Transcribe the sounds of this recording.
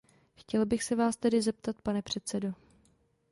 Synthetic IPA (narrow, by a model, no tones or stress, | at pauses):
xcɛlbɪxsɛvaːst̪ɛdɪzɛp̚t̪at̪̚panɛpr̝̥ɛt̪sɛdo